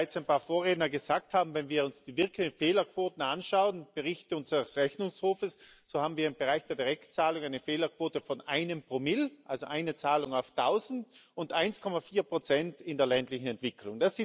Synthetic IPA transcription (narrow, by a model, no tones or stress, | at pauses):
aɪt͡saɪnpaːɐfoːɐʁeːdnɐɡəzaːk̚thaːbm̩vɛnviːɐʊnsd̥iːvɪɐkʰlɪçnfeːlɐkv̥oːtn̩anʃaʊənb̥əʁɪçtəʊnzəʁsʁɛçnʊŋshoːfəsz̥oːhaːbm̩viːɐɪnbəʁaɪçd̥eːɐdiʁɛktt͡saːlʊŋaɪnəfeːlɐkv̥oːtəfɔnʔaɪnəmpʁ̥oːmɪlʔalzoʔaɪnət͡saːlʊŋaʊftʰaʊzn̩tʊndʔaɪnskʰɔmafiːɐpʁ̥ot͡sɛntɪndeːɐlɛntlɪçn̩ɛntv̥ɪkʰlʊŋd̥asi